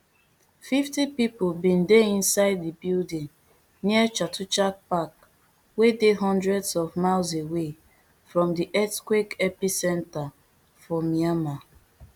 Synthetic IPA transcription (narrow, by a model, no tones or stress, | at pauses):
fiftipipobĩndeĩnsaɪddibildĩŋ | niət͡ʃatut͡ʃak̚pak | wedeɦɔ̃ndɹɛdsɔvmalzewe | fɹɔ̃mdiʔɛtkwekɛpisɛ̃nta | fɔmiama